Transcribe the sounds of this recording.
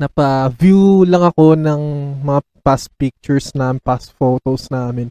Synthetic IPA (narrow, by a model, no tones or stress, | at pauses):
nɐpɐvjulɐŋɐko̞nɐŋmɐŋa | paspik̚t͡ʃʊɹsnapasfot̪osnaːmɪn